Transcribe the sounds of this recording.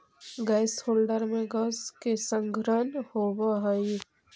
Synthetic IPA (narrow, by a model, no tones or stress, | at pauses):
ɡaɪshoːlɖəɾmẽɡəskesə̃ŋɡɾənhoːwaɦaĩ